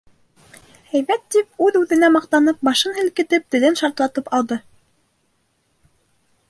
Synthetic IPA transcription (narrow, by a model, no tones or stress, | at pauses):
hæjβæt̪ːip̚ʉðʉðɘ̆næmɑq̚t̪ɑnɤp̚bɑʃɤnɦɘ̆lkɘ̆t̪ɘp̚t̪ɘ̆lɘnʃɑɾt̪lˠɑt̪ɤpɑlˠd̪ɤ